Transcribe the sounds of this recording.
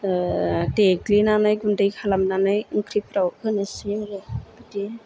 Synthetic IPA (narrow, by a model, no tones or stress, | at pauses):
teklinanajɡundajkʰalamnanajɯŋkʰɾipʰɾawkɯnɯsiaɾɯbiti